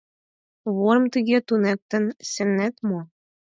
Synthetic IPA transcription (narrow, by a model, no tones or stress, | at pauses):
βoɾmt̪iɣʲet̪unek̚t̪ə̆nsɘ̆nːæt̪mo